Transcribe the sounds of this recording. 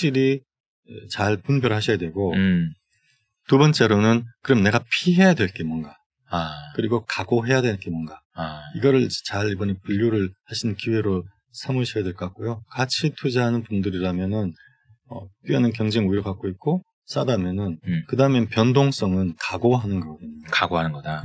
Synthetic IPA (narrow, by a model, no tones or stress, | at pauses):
ɕ͈iɾi | t͡ɕaɭpunbjʌɾɭɦaɕʰʌjadwe̞ɡo | tubʌnt͡ɕ͈e̞ɾonɯnkɯɾʌmne̞ɡapʰiɦe̞jadwe̞ɭk͈emʌnɡa | kɯɾiɡokaɡoɦe̞jadwe̞k͈emʌnɡa | iɡʌɾɯɭt͡ɕaɾibʌnepuʎːoɾɯɭhaɕʰinɯnkiwe̞ɾo | sʰamɯɕʰijadwe̞ɭk͈ok͈ojokat͡ɕʰitʰud͡ʑaɦanɯnpundɯɾiɾamjʌnɯn | ʌp͈ianɯnk̬jʌŋd͡ʑeŋuiɾɯɭkak͈̚oit̚k͈o | s͈adamjʌnɯnkɯdaɯmepjʌndoŋs͈ʌŋɯnkaɡoɦanɯnɡʌɡeɲkaɡoanɯnɡʌda